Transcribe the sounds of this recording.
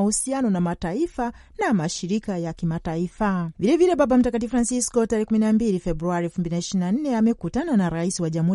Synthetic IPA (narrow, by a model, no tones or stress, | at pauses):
husianɔnamataifa | namaʃiɾikajakimataifavilɛvilɛɓaɓam̩takat̬ifɾansiskɔtaɾɛhɛkuminambilifɛbɾuaɾiɛlfumbilinaiʃinan̩nɛamɛkutananaɾaisiwaʄam̩uhu